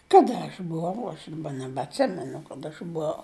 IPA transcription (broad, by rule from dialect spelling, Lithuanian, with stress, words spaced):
ˈkɑːdɐ ɐʃ bʊˈʋɐʊ ɐʃ dɐˈbɐ nʲɛbɐtʲˈsʲɪmʲɛnʊ kɐˈdɐ ɐʃ bʊˈɐʊ